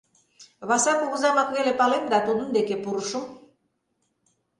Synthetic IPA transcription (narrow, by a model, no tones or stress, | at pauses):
βɑsɑkuɣzɑmɑkβelepɑlemd̪ɑt̪ud̪ənd̪ekepuɾuʃum